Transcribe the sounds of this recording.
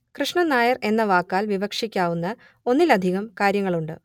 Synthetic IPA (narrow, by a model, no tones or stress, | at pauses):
krɨʂɳɐnaːjɐre̞nːɐʋaːkːaːlʋibɐkʂikʲːaːʋunːɐ | o̞nːilɐd̪ʱiɣɐmkaːɾjɐŋːɐɭuɳɖɨ̰